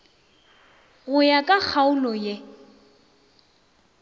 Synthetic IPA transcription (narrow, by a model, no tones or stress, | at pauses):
ɣʊjakʼak͡xʰaʊlɔje